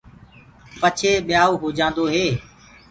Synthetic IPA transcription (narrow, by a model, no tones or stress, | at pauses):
pət͡ʃʰeːɓɪjaːuːɦoːd͡ʒãːnd̪oːɦeː